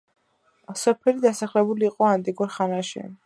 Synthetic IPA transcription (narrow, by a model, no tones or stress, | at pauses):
sɔpʰɛlid̪asaχlɛbuliːqʼɔant̪ʼiɡuɾχanaʃḭ